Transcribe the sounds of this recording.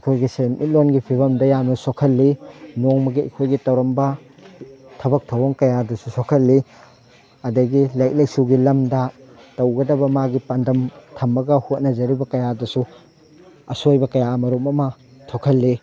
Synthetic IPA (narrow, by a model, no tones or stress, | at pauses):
ɐkʰojɡisejmʔit̚lonɡipʰibɐmdɐjamnɐsokʰɐlːinoŋmɐɡiɐ̰kʰojɡitɐwɾɐmbɐ | tʰɐbɐk̚tʰɐwoŋkɐjadɐsusokʰɐlːi | ɐdɐɡilajk̚lɐj̚suɡilɐmdɐ | tɐwɡɐdɐbɐmaɡipɐndɐmtʰɐmːɐɡɐhot̚nɐzɐɾibɐkɐjadɐsu | ɐsojbɐkɐjamɐɾumɐmɐtʰokʰɐlːi